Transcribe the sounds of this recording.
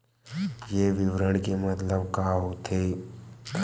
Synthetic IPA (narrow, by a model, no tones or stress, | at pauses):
jeːʋɪʋɾəɽ̃kemɐt̪ləb̚kaːɦot̪ʰeː